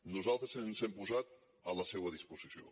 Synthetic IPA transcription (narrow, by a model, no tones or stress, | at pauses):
nuzalˠt̪ɾəznzɛmpuzat̪̚ | ələsewəðispuzisio̰